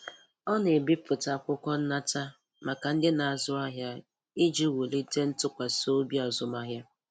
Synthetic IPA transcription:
ɔ˦ne˨bɪ˦pʊ˨ta˨kʷʊ˦kɔ˦n̩˦na˦ta˦ | ma˨ka˨n̩˦dɪ˦na˨a˨zʊ˦a˦ɦja˦ | i˦d͡ʒi˦wu˨li˦te˦n̩˦tʊ˦kʷa˨so˦bi˦ɔ˨zʊ˨ma˦ɦja˦

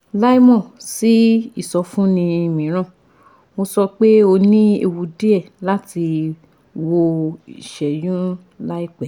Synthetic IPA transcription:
la˦i˦mɔ̃˦˨si˨˦i˦˨sɔ˧˦fũ˦nĩ˧i˧mĩ˨˦ɾ̃ã˦˨ | mo˧sɔ˧k͡pe˦o˧nĩ˦ḛ˧wu˧di˦ɛ˦˨la˦ti˧ | wo˧i˨ʃɛ˨jũ˦ | la˦i˦k͡pɛ˨

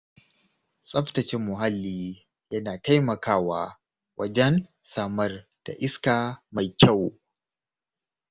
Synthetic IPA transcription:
sʼɐ˦ɸtɐ˨t͡ʃɪ˦mːʊ˨ɦa˦lːiː˦ | jɐ˦naː˨ta˦jmɐ˨kʰaː˦˨waː˦ | wʔɐ̰˦d͡ʒɛ˦n | saː˦˨mɐ˦rd̥a̰˨ʔɪ˦skaː˨ma˨jkʲa˦˨w

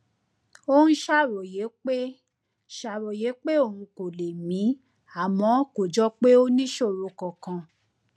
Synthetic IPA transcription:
o˦nũ˦ʃa˦˨ɾɔ˨je˨˦k͡pe˦ | ʃa˨ɾɔ˨je˨˦k͡pe˦o˦˨hũ˧ko˨le˨mĩ˨˦ | a˦˨mɔ̃˨˦ko˨d͡ʒɔ˦k͡pe˦o˦nĩ˦ʃo˦˨ɾo˧kɔ̃˨kã˧

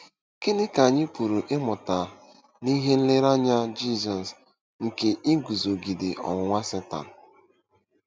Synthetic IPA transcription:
ke˦nɪ˦ka˨ɲɪ˦pu˨ɾu˨ʔɪ˦mʊ˨ta˨ | ni˦ɦe˦n̩˦lɪ˦ɾa˦ɲa˦d͡ʒi˦˨zɔ˨s | ŋ̩˨ke˨ʔi˦ɡu˨zo˨ɡi˨dɪ˨ʔɔ̰˨ŋʷ˦ŋʷa˦se˦ta̰˨n̩˨

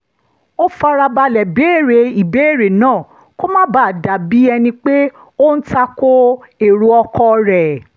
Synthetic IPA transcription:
o˦fa˧ɾa˧ba˧lɛ˨be˨˦˨ɾe˨i˨be˨˦e˦˨ɾe˨nãː˦˨ | ko˦mã˦ba˦˨da˨bi˨˦ɛ˧nĩ˧k͡pe˦ | o˦n̩˦ta˧ko˦e˨ɾu˧ɔ˧kɔ˧ɾɛ˨

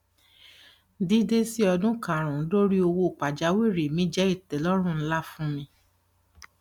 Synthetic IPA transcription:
di˨˦de˦si˦ɔ˧dũ˦kã˨ɾ̃ũ˨˦lo˦ɾi˦o˧wo˧˨k͡pa˨d͡ʒa˨˦we˦˨ɾi˨mĩ˨˦d͡ʒɛ˦i˦˨tɛ˨lɔ˦ɾ̃ũ˦n̩˦la˦fũ˦mĩ˧

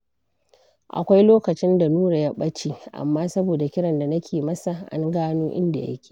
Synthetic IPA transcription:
ʔa̰˨kʷa˦jloː˦kɐ˨t͡ʃɪ˦nda˨nuː˦ɽa˨ja˦ɓɐ˦t͡ʃiː˦ʔa̰˨mːaː˦sɐ˦boː˨da˨kʲɪ˦ɽɐ˨nda˨nɐ˦kʲʰeː˨mɐ˦sa˨ʔa̰˦ŋɡaː˦noː˦ʔɪ̰˦nda˨jɐ̰˦kʲʰe̥ː˨

